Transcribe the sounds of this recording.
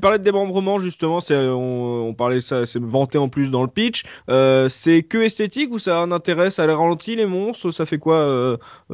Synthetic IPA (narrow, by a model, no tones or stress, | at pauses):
paʁlɛd̪əemɑ̃bʁəmɑ̃ʒyst̪əmɑ̃sɛɔ̃ɔ̃paʁlɛsasɛvɑ̃t̪eɑ̃plys̬d̪ɑ̃ləpit͡ʃøsɛkəɛst̪et̪ikusanɛ̃t̪eʁɛsaleʁalɑ̃t̪ʰilemɔ̃st̪χəsafɛkwaø